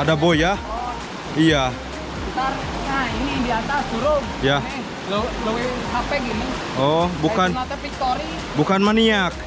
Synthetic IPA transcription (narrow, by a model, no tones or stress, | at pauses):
adaboja | ija | t̪ar | ŋainidiat̪asd͡ʒuɾo | jani | lolowiɦapɛɡini | ɔbukanat̪ɛfik̚t̪oɾi | bukanmaniak̚